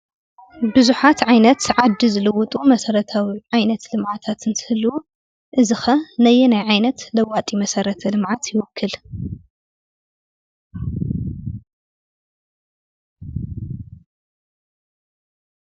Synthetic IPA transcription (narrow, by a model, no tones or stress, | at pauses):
bɨzuħat̪ʕajnɐt̪ʕad̪ːizɨlɨwʊt̪ʼumɐsɐɾɐt̪ʰawiʕajnɐt̪lɨmʕat̪ʰat̪ɨnt̪ʰɨ̥hɨlːu | ʔɨzɨxɐnɐjɛnajʕajnɐt̪lɐwat̪ʼimɐsɐɾɐt̪ʰɐlɨmʕat̪ʰjɪwɔkʰːɨl